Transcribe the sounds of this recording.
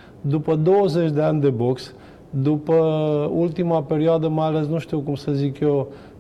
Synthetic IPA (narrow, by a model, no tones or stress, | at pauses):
d̪upəd̪o̞wəze̞t͡ʃʲd̪eanʲd̪e̞bo̞ks | d̪upəult̪imape̞ɾioad̪əmajale̞s̬nuʃt̪iwkumsəzikjew